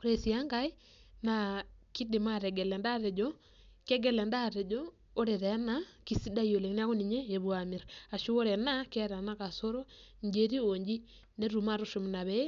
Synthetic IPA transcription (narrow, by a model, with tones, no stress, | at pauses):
ko˨ɾe˨si˨a˦ŋɡa˦i˦ | na˨ki˦di˨ma˦ɾɛ˨ɡɛ˨lɛ˨nda˦ɾɛ˨d͡ʒɔ˦ | kɛ˦ɡɛ˦˨lɛ˨nda˦ɾɛ˨d͡ʒoː˦ | ɾe˨ɾɛ˨˦na˦ki˨si˦da˦ijo˨le˨kn˦a˦ko˦ni˨ɲe˦e˨βwa˨mi˨ɾa˨ʃu˦o˦ɾɛ˨na˦kɛ˦ɾa˨na˦ka˨so˦ɾo˦ɲd͡ʒe˨ɾi˦o˨ɲd͡ʒi˦ | ne˦ɾu˨ma˦ɾu˦ʃu˨m˨na˨βɛ˦